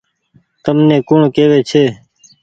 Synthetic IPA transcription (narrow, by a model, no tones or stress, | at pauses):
t̪əmnẽːkʊɳkeːʋeːt͡ʃʰeː